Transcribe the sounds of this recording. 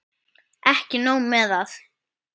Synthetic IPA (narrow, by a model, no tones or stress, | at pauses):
ɛhcɪnoːwmɛðaθ